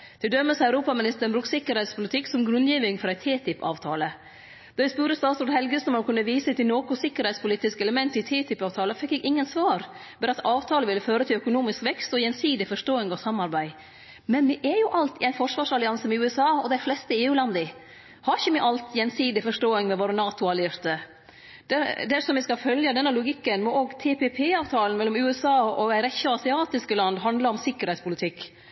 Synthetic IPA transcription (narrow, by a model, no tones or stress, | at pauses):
t̪ʰɪld̪œmːəsəæʉɾuːpɑmɪnɪst̪əɳbɾʉːksɪkːəɾhɛɪt̪spʊlɪt̪ʰɪkːsɔmɡɾʉnd̪jiːʋɪŋfɔɾæɪt̪ʰeːt̪ʰɪpɑ̰ːʋt̪ʰɑːlə | d̪̥ɑʋɪspʉːɾəst̪ɑːt̪suːt̪hɛlɡəsnmɑnkʰʉnːəʋiːsət̪ɪnoːkʊsɪkːəɾhɛɪt̪spʊliːt̪ːɪskəɛləmɛnt̪ɪt̪ʰɛːt̪ʰɪpɑːʋt̪ʰɑːləfɛkːɛɡɪŋːənsʋɑːɾ | bɛːɾɑt̪ʰɑːʋt̪ʰɑːləʋɪlːəføːɾət̪ʰɪlœkʊnuːmɪskʋɛkst̪ɔjɛnsiːd̪ɪfɔʂtoːɪŋəɔsɑmːɑɾbæɪ | mɛnmɪʔɛjʊʔɑlt̪ɪæɪnfɔʂʋɑːʂɑlɪɑnsəmɛʉːɛsɑːɔd̪æɪflɛst̪əeːʉːlɑnd̪ɪ | hɑɾɪçəmɪʔɑlt̪jɛnsiːd̪ɪfɔʂʈoːɪŋmɛʋoːɾənɑːt̪ʊɑlɪɾt̪ə | d̪̥ɛd̪æʂɔmʋɪskɑfœljəd̪ɛnːəlʊɡɪkːənmɔʔoːɡt̪ʰeːpepʰeːɑːʋt̪ʰɑːlən̩mɛlːɔmʉːɛsɑːɔæɪɾɛçːəɑsɪɑːt̪ɪskəlɑnd̪ɦɑnd̪ləɔmsɪkːəɾhɛɪspʰʊlɪt̪ʰɪkː